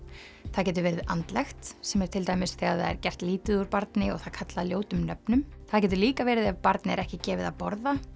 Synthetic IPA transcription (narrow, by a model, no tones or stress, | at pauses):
θaðcɛːt̪̬ʏɾvɛːɾɪðʔa̰nt̪lɛxt̪sɛmɛɾ̥t̪ʰɪlt̪aːjmɪsθɛɣaðθa̰ðɛ̰ɾcɛr̥t̪liːt̪ɪðuɾpaɾt̪nɪɔ̰ɣθaðkʰat̪laðljoːwt̪ʏmnœpnʏmθaðcɛːt̪̬ʏɾliːkavɛːɾɪðavpaɾt̪nɪɛɾɛhcɪcɛːvɪða̰pɔɾða